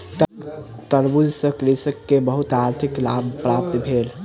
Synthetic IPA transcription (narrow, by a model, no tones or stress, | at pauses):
t̪t̪əɾbud͡ʒsə̃kɾisəkːebəɦut̪aɾt̪ʰiklabpɾap̚t̪bʱel